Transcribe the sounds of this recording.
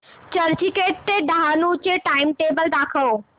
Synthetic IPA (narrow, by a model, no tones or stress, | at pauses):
t͡ɕəɾd͡ʑikeːʈ̚t̪eɖaɦanũʊt͡ɕeʈaːɪmʈeːbəld̪aːkʰəoː